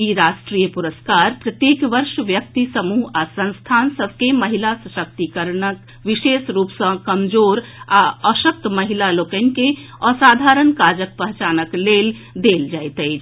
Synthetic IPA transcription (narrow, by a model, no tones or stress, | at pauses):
iɾasʈɾijəpuɾəskaɾpɾət̪jekʋəɾʃʋjək̚t̪isəmuɦasə̃nst̪ʰansəbʱkeməɦilasəʃək̚t̪ikəɾnək | ʋiʃesɾuːpsə̃kəmd͡ʒoːɾaəʃək̚t̪məɦilalokənĭke | əsad̪ʱaɾənkad͡ʒək̚pəɦt͡ʃaːnəklel | d̪eld͡ʒajt̪əɪt͡ʃʰ